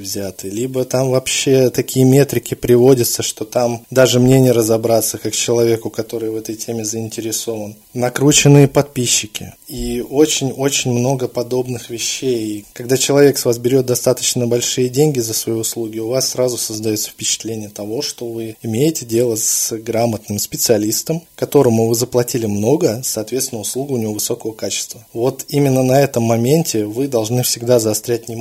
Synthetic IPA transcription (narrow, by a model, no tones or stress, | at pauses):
vzʲat̪ɨlʲibət̪amvɐpɕːe̞t̪ɐkʲijəmʲe̞t̪ɾʲɪkʲɪpɾʲɪvo̞dʲət̪səʂt̪o̞t̪amd̪aʐɨmnʲenʲɪjəɾəzɐbɾat̪səkakt͡ɕɪlˠɐvʲe̞kʊkɐt̪o̞ɾɨjvɛt̪əjtʲʰemʲɪzəɪnʲtʲɪɾʲɪso̞vən | nɐkɾut͡ɕɪnːɨjəpɐt̪̚pʲiɕːɪkʲɪ̰io̞t͡ɕɪnʲo̞t͡ɕɪnʲmno̞ɡəpɐd̪o̞bnɨxvʲɪɕːejkɐɡd̪at͡ɕɪlˠɐvʲe̞ksvasbʲɪɾʲo̞t̪̚d̪ɐst̪at̪ə̥t͡ɕnəbɐlʲʂɨjədʲenʲɡʲɪzəsvɐjiʊslˠuɡʲɪʊvasːɾazʊsəzd̪ɐjo̞t̪sə̥fʲpʲɪt͡ɕɪ̥t̪lʲenʲɪjət̪ɐvo̞ʂt̪o̞vɨɪmʲejɪtʲɪdʲe̞lˠəsɡɾamət̪nɨmspʲɪt̪sɨɐlʲist̪əmkɐt̪o̞ɾəmʊvɨzəplˠɐtʲilʲɪmno̞ɡəsɐːt̪vʲet̪st̪ʲɪnəʊslˠuɡʊnʲɪvʲo̞vɨso̞kəvəkat͡ɕɪ̥st̪vəvo̞t̪imʲɪnːənɐɛt̪əmːɐmʲenʲtʲɪvɨd̪ɐlˠʐnɨfsʲɪɡd̪azɐst̪ɾʲætʲnʲɪ